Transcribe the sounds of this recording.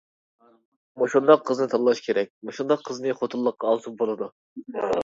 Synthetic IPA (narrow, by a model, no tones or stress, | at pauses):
moʃund̪ɑqʰːəznɨt̪ʰɑllˠɑʃkʲʰeɾɛk̚ʲmoʃund̪ɑqʰːəznɨχot̪ʰɨlˠːəqːɑːlˠsup̚bolˠɨd̪u